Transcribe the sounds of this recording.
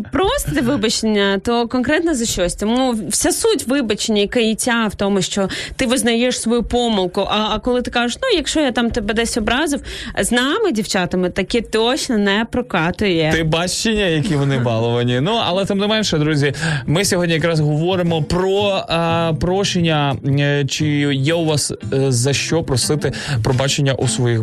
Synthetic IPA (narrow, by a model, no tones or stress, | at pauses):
pɾɔst̪t̪ʲʋɪbɐt͡ʃenʲːɐt̪ɔkɔnkɾɛt̪nɐzɐʃt͡ʃɔsʲt̪ɔmuw̥sʲasutʲʋɪbɐt͡ʃenʲːɐikɐjitʲːawt̪ɔmʊʃt͡ʃɔt̪ɪʋɪznɐjɛʃsʋɔjupɔmʊlˠkʊʔɐːkɔlˠɪt̪ɪ̥kɑʒɪʃnujɐkʃt͡ʃɔjat̪ɑmt̪ɛbɛd̪ɛsʲɔbɾɑzɪwznɑmɪdʲiwt͡ʃɑt̪ɪmɪt̪ɐkʲit̪ɔt͡ʃnɔnɛpɾɔkɑt̪ʊjɛt̪ɪbɑʃt͡ʃenʲːɐjɐkʲiʋɔnɪbɑlˠɔʋɐnʲinuɐ̰lˠɛt̪ɑmnɛmɛnʃɛd̪ɾuzʲimɪsʲɔɦɔdʲnʲijɐkɾɑzɦɔʋɔɾɪmɔpɾɔ | pɾɔʃenʲːɐt͡ʃɪjɛʊʋɑszɐʃt͡ʃɔpɾɔsɪt̪ɪpɾɔbɑt͡ʃenʲːɐʔusʋɔjix